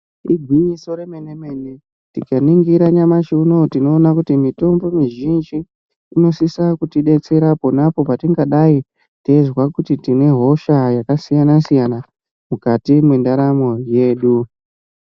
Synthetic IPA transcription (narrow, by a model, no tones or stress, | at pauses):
iɡʱwiɲiso̞ɾemeneme̞ne | tikaniŋɡiɾaɲamat͡ʃiuno̞tino̞ːnakutimito̞mbo̞miʒind͡ʒiː | no̞sisakutiɗe̞t͡se̞ɾaponapo̞patiŋɡaɗai | tezwakutitine̞ɦo̞ʃajakasijanasijana | mukatimwendaɾamo̞je̞ːɗu